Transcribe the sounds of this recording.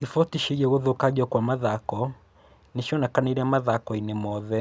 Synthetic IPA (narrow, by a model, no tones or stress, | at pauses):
ifɔtiʃiɣɛɣoðokaʄɔkwamaðakɔ | neʃɔnakaneɾamaðakɔinemɔðɛ